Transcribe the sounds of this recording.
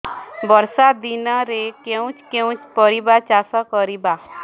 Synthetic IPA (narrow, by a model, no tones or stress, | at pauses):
bɔɾsad̪inɔɾekeũt͡ʃkeũt͡ʃpɔɾibat͡ʃasɔkɔɾiba